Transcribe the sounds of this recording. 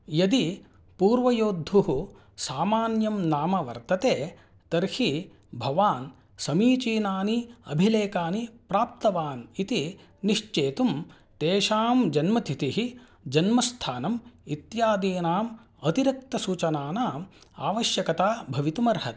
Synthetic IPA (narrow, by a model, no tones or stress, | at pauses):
jɐd̪i | puːɾʋɐjoːd̪ʱuɦu | saːmaːnjɐmnaːmɐʋɐ̰ɾt̪ɐt̪eː | t̪ɐɾhi | bʱɐʋaːn | sɐmiːt͡ʃiːnaːniɐ̰bʱileːkaːnipɾaːp̚t̪ɐʋaːnit̪i | niʂt͡ʃeːt̪um | t̪eːʃaːmd͡ʒɐnmɐt̪ʰit̪iɦi | d͡ʒɐnmɐst̪ʰaːnɐmit̪jaːd̪iːnaːm | ɐt̪iɾɐk̚t̪ɐsuːt͡ʃɐnaːnaːmaːʋɐʃjɐkɐt̪aːbʱɐʋit̪umɐɾɦɐt̪